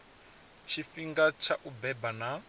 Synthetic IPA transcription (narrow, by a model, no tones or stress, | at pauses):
t͡ʃʰifiŋɡat͡ʃʰaʔubɛbana